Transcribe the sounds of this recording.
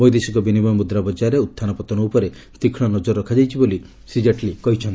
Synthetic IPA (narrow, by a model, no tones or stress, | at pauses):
bɔjd̪esikɔbinibɔjɔmud̪ɾabɔd͡ʒaɾeut̪ʰːanɔpɔt̪ɔnɔupɔɾe | t̪ikʰɽ̃ɔnɔd͡ʒɔɾːɔkʰad͡ʒajt͡ʃʰiboli | sid͡ʒaʈlikɔɦit͡ʃʰɔnti